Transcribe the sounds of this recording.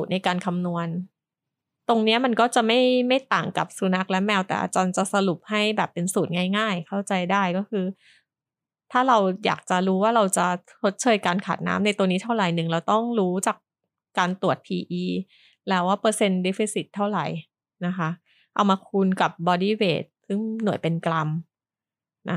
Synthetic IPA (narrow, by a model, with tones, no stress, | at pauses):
u˨˩t̪̚na˧jkaː˧nkʰa˧mnu˧ən | t̪o˧ŋni˦˥ɐma˧nkɔː˥˩t͡ɕa˨˩ma˥˩jma˥˩jt̪aː˨˩ŋka̰˨˩p̚su˧˦na˦˥k̚lɛ˦˥mɛː˧wt̪ɛ̰ː˨˩ʔa̰˧t͡ɕɔː˧nt͡ɕa˨˩sa˧ɾu˨˩p̚ha˥˩jbɛː˨˩pːe˧nsuː˨˩t̪̚ŋaː˥˩jŋaː˥˩jkʰa˥˩wt͡ɕa˧jdaː˥˩jkɔː˥˩kʰɯː˧ | t̪ʰaː˥˩ɾa˧wja̰ː˨˩k̚t͡ɕa˨˩ɾuː˦˥waː˥˩ɾa˧wt͡ɕa˨˩t͡ɕʰo˦˥t̪̚t͡ɕʰɤː˧jkaː˧nkʰa̰ː˨˩t̪̚na̰ː˦˥mna˧jt̪u˧əniː˦˥t̪ʰa˥˩wɾa˨˩jnɯ˨˩ŋlɛː˧wt̪ɔ˥˩ŋɾuː˦˥t͡ɕaː˨˩k̚ | kːaː˧nt̪u˨˩ət̪̚pʰiː˧ʔiː˧ | lɛː˦˥waː˥˩pɤː˧se˧nde˦˥fi˧˥si˨˩t̪ʰːa˥˩wɾa̰˨˩j | na˦˥kʰa˦˥ | ʔa˧wmaː˧kʰu˧nka˨˩p̚bɔː˧diː˥˩wḛː˨˩t̪̚sɯ˥˩ŋnu˨˩˦jpe˧nkla˧m | na˦˥